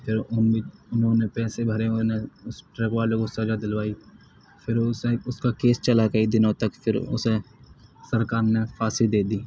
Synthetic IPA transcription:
pʰɪɾʊniʊnɦõːnepɛːsebʱəɾeneʊsʈɾeːkʋaːlekʊsəd͡ʒad̪ɪlʋaːi | pʰɪɾʊseʊskakeːst͡ʃəlakəid̪ɪnõt̪əkpʰɪɾʊ̰se | səɾkaːɾnefaːsɪld̪eːd̪iː

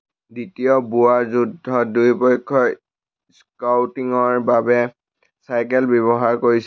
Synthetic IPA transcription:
ditijɔbuaɹzudʱːɔdujpɔjkʰːɔ | skawtiŋɔɹbabɛ | sajkɛlbɛβɔɦaɹkoɹis

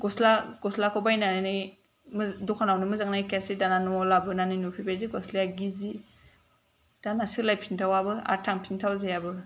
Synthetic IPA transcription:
ɡɔslaɡɔslakʰɔbajnannɯj | mdɔkʰanawnɯmɯzaŋnajkasidananɔlabɯnanɯnupʰibeɾziɡɔslejaɡizi | d̥anasilajpʰintʰawabɯa̰ɾtʰaŋpʰintʰawzejabɯ

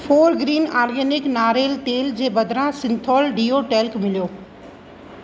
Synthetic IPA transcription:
fʰoːɾɡɾiːnaːɾɡeːnɪknaːɾeːlt̪eːld͡ʑeːbɐd̪ʱɾãsɪ̃nt̪ʰɔːlɖiːoːʈeːlkmɪlijoː

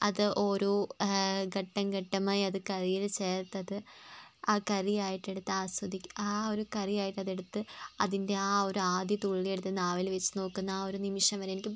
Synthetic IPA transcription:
ɐðɨʔoːɾu | ɡɐʈːɐmɡɐʈːɐmaːjiɐðɨkɐrijilt͡ɕeːrt̪ːɐðɨaːkɐrijaːjiʈːe̞ɽut̪ːɨaːsɐd̪ikʲːaːo̞ɾukɐrijaːjiʈːɐðe̞ɽut̪ːɨɐðinde̞aːo̞ɾuaːd̪jɐt̪uɭːijeɽut̪ːɨnaːʋilʋet͡ɕːɨno̞ːkːunːɐaːo̞ɾunimiʂɐmʋɐɾeenikʲːɨ

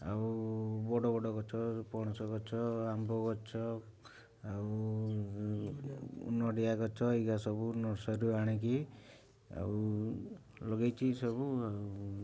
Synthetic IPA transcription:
aubɔɽɔbɔɖɔɡɔt͡ʃʰɔpɔɽ̃ɔsɔɡɔt͡ʃʰɔambɔɡɔt͡ʃʰɔ | au | ṵnɔɽiaɡɔt͡ʃʰɔiɡasɔbunɔɾsɔɾuaɽ̃iki | a̰u | lɔɡajt͡ʃʰisɔbuau

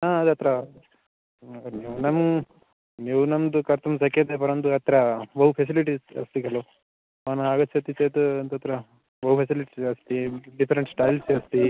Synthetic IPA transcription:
aːɐd̪ɐt̪ɾɐ | niːunɐm | niːʋunɐmd̪ukɐɾt̪ʰums̬ɐket̪ep̬ɐɾɐnd̪uɐt̪ɾɐbɐɦupʰes̬iliʈisɐ̰st̪ikɐlo | aːnɐaɡɐːsɐt̪ːit͡ʃet̪uɐnd̪ɐt̪ɾɐ | bɐɦupʰesiliʈisɐst̪iɖipʰɐɾeɳʈsʈaːjlsɐst̪i

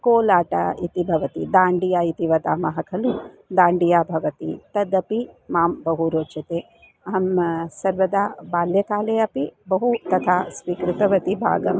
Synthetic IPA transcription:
koːlaːʈɐ̰it̪ibʱɐʋɐt̪id̪aːɳɖijaːit̪iʋɐd̪aːmɐɦɐkʰɐlu | d̪aːɳɖijaːbʱɐʋɐt̪ḭt̪ɐd̪ɐpimaːmbɐɦuɾoːt͡ʃɐt̪eː | ɐɦɐmsɐɾʋɐd̪aːbaːljɐkaːleːɐpibɐɦut̪ɐt̪ʰaːsʋiːkɾɪt̪ɐʋɐt̪ibʱa̰ːɡɐm

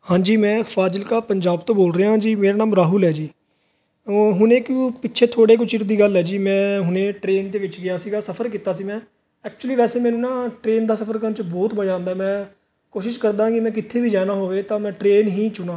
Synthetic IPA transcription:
hãːd͡ʒiːmɛ̃ːpʰaːd͡ʒəlkaːpəɲd͡ʒaːbt̪õːboːlɾeːãːd͡ʒiːmeːɾaːnãːmɾaːɦʊlɦɛːd͡ʒiː | ɦʊnẽːkũːpɪʃʰeːt̪ʰoːɽeːk̬ʊt͡ʃʰɪɾd̪iːɡəlɦɛːd͡ʒiːmɛ̃ːɦʊnẽːʈɾeːnd̪eːʋɪt͡ʃɡɪjaːsiːɡaːsəpʰəɾk̬iːt̪aːsiːmɛ̃ː | ɛːkt͡ʃuliːʋɛːseːmɛːnũːnãːʈɾeːnd̪aːsəpʰəɾkət͡ʃbɔːt̪məd͡ʒãːnd̪aːɦɛmɛ̃ː | koːʃɪʃkəɾd̪ãːkɪmɛ̃ːk̬ɪt̪ʰːeːʋiːd͡ʒaːnaːɦoːʋeːt̪ãːmɛ̃ːʈɾeːnɦiːt͡ʃʊnãː

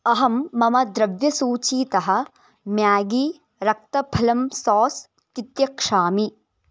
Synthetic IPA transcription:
ɐɦɐmːɐmɐd̪ɾɐʋjɐsuːt͡ʃiːt̪ɐɦɐ̆ | mjaːɡi | ɾɐk̚t̪ɐpʰɐlɐmsɔːs | k̪it̪jɐkʂaːmi

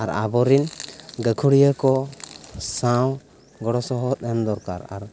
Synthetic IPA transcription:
aɾa̰bɔɾinɡəkʰuɽijəkɔ | saw | ɡɔɽɔsɔɦɔt̪̚ɛnd̪ɔɾka̰ɾa̰ɾ

